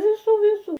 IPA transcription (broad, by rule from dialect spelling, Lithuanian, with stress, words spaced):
ʋʲɪˈsuː ʋʲɪˈsuː